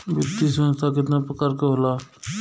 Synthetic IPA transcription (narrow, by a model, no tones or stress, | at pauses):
bɪt̪ːiːsə̃nst̪ʰaːk̬ɪt̪naːpɾəkaːɾkeɦoːlaː